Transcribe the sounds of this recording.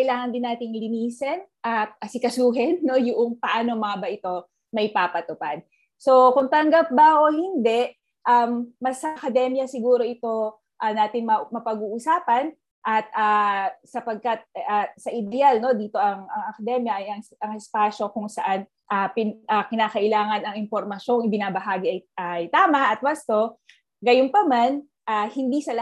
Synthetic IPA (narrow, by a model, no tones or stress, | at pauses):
kɐjlaːŋɐnd̪ɪnːaːt̪ɪŋlɪniːsɛnʔɐt̪̚ɐsɪkɐsuːɦɛnːo̞jʊʔoŋpɐʔaːnoŋmɐŋɐbɐʔɪt̪o̞ | mɐjpaːpɐt̪ʊpad̪̚ | so̞kʊŋt̪ɐŋɡap̚bɐʔohɪnd̪ɛʔ | ʔɐmːɐsɐʔɐkɐd̪ɛmjɐsɪɡuːɾo̞ʔɪt̪o̞ | ʔɐnaːt̪ɪŋmɐmɐpɐɡuːʔʊsaːpɐn | ʔɐt̪̚aːsɐpɐɡ̚kɐt̪̚asɐʔɪd̪ɛjalno̞d̪iːt̪o̞ʔɐŋɐŋɐkɐd̪ɛmjɐʔɐjɐŋʔɐŋɛspaːʃo̞kʊŋsɐʔan | ʔapɪnʔakɪnaːkɐʔɪlaːŋɐnɐŋɪmpo̞ɾmɐʃo̞ŋɪbɪnaːbɐɦaːɡiʔɐjʔɐjt̪aːmɐʔɐt̪̚wast̪o̞ | ɡɐjʊnpɐman | ʔahɪnd̪isɐlɐ